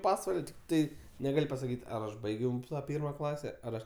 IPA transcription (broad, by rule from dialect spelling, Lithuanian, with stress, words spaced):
ˈpɑːsʋɐlʲ tʲɪkˈtɐɪ nʲɛˈɡɐlʲ pɐsɐˈkʲiːtʲ ˈɐr ˈɐʃ ˈbɐɪɡʲɛʊ ˈpʲiːrmɐ ˈklˠɑːsʲɛ ˈɐr ˈɐʃ